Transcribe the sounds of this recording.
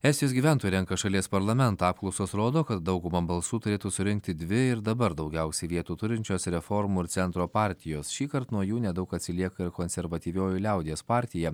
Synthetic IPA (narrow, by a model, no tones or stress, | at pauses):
æːsʲɪjoːsɡʲiːʋʲæˑnt̪oːjːɾʲɛŋkɐʃɐlʲiɛspɐɾlˠɐmʲɛnt̪ɐɑːp̚klˠɐʊsoːsɾoːd̪oːkɐt̪̚d̪ɐʊɡʊmɐbɐlˠsuːt̪ʊɾʲeːt̪uːsʊɾʲɪŋʲk̚t̪ʲɪd̪ʲʋʲɪɪɾd̪ɐbɐɾd̪ɐʊɡʲɛʊsʲɛɪʋʲiɛt̪uːt̪ʊɾʲɪnʲt͡ʃʲoːsɾʲɛfoːɾmuːɪɾtsʲɛnt̪ɾoːpɑːɾʲt̪ʲɪjoːsʃʲiːkɐɾt̪nuɔjuːnʲɛd̪ɐʊkɐt̪ʲsʲɪlʲiɛkɐɪɾkoːnʲsʲɛɾʋɐt̪ʲiːʋʲoːjʊlʲɛʊd̪ʲeːspɑɾʲt̪ʲɪjɛ